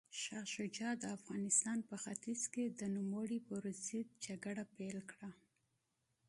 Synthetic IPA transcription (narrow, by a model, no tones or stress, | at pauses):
ʃaxʃod͡ʒɑd̪əafɣɑnɪst̪ɑnpəxat̪izked̪ənʊməɽipəɾʊzid̪̚d͡ʒaɡaɽapelkɽa